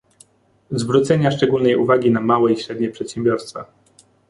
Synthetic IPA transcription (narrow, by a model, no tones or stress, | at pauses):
zvɾut̪sɛɲaʂt͡ʂɛɡulnɛjuvaɡʲinamawɛiɕɾɛd̪ɲɛpʂɛt̪ɕɛmbʲjɔɾst̪fa̰